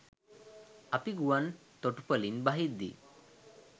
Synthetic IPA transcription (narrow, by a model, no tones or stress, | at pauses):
apiɡuwan | t̪oʈupəlinbaɦid̪ḭ